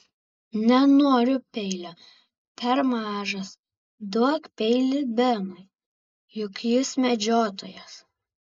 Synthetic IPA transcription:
nʲɛnoːɾʲʊpʲɛɪlʲo | pʲɛɾmɑːʒɐs | d̪uɔkpʲɛɪlʲɪbʲɛnʊɪ | jʊkjʊsmʲɛd͡ʒʲoːt̪o̰ːjɛs

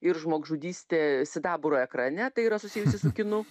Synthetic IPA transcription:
ɪɾʒmoːɡʒuːd̪ʲiːsʲt̪ʲeːsʲɪd̪ɑːbʊɾoːɛkɾɐnʲɛt̪ɐɪiːɾɐsʊsʲiːjʊsʲɪsʊkʲɪnʊ

